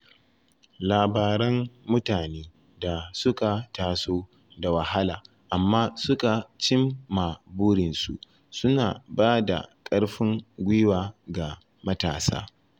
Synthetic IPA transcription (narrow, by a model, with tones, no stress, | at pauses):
laː˨baː˨ɾɛ˦ŋmʊ˦taː˨neː˦ | da˨sʊ˦ka˨taː˨soː˦ | da˨wɐ˨ha˦laː˨ | ʔa˨mːaː˦sʊ˦ka˨t͡ʃɪ˦mːa˨buː˦ɽɪ˨nsṵ˨ʔ | sʊ˦na̰ː˨baː˦da̰˨kʼɐ˦ɽɸɪ˦ŋɡʷɪ˦waː˨ɡa˨ | mɐ˦ta̰ː˨sa̰ː˦